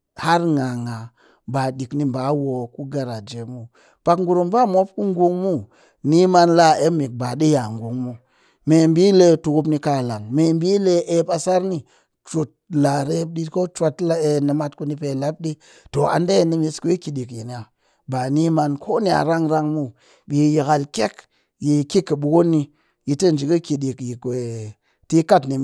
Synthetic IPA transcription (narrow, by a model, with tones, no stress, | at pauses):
ha˦ɾŋa˨ŋa˨ | ba˨ɗi˨kni˦ba˨˦wo˨ku˦ɡa˨ɾa˨d͡ʒe˨mu˦ | pa˨kŋɡu˨ɾu˨mba˦mo˦p̚ku˦ŋɡu˦ŋmu˦ | ni˦ma˦nla˦e˦mi˨k̚ba˨ɗi˦ja˨ŋɡu˨ŋmu˦ | me˨mbi˦le˦tu˨ku˦pni˦ka˦˨la˨ŋme˨mbi˦le˦e˦pa˨sa˦ɾni˦ | t͡ʃu˨t̚la˨ɾe˦p̚ɗi˦ko˦t͡ʃʷa˦tla˦e˧nə˨ma˧tku˦ni˦pe˨la˦p̚ɗi˦ | to˨a̰˨nde˦˨ni˦mi˧sku˦i˦ki˨ɗi˨kji˨ni˨a˨ | ba˨ni˦ma˧nkʰo˦ni˨a̰˨ɾa˦ŋɾa˦ŋmu˦ | ɓi˨ji˨ɣa˨lke˦k | ji˨ki˦kːə˨ɓu˨ɡo˦nːi˧ | ji˨tə˦n˨d͡ʒi˨ki˦ki˨ɗi˨kji˨ke˨ | ti˦ka˦tni˨